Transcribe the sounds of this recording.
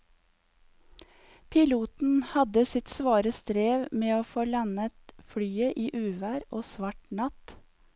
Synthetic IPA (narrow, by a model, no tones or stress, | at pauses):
pʰɪluːt̪n̩hɑd̪əsɪt̪sʋɑːɾəst̪ɾeːʋmeːoːfoːlɑnət̪fɽyːəʔiːʔʉːʋæːɾoːsʋɑʈɳɑt̪